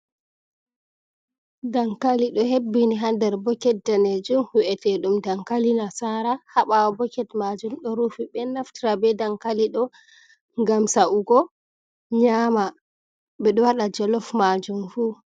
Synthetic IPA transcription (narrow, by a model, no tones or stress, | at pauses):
daŋkaliɗɔhebːiniɦandɛɾbɔkɛt̚daned͡ʒumhuʔɛtɛɗumdaŋkalinasaɾahaɓawɔbɔkɛtmad͡ʒumɗɔɾufiɓɛnaftiɾabɛdaŋkaliɗɔ | ŋɡamsaʔuɡɔ | ɲama | ɓɛɗɔwaɗad͡ʒɔlɔfmad͡ʒumfu